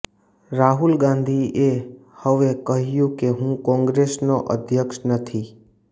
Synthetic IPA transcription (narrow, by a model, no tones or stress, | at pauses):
ɾaɦulɡãnd̪ʱie | həʋekəɦjũkeɦũkɔ̃ŋɡɾesnoʔə̰d̪ʱjəkʃnət̪ʰi